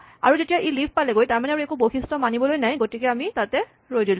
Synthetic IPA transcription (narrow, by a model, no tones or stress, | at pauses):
a̰ɹuzetijaʔilipʰpalɛɡojtaɹmanɛaɹuekuboxistɔmanibɔlojnajɡotikɛamitatɛ | ɹojdilʊ̃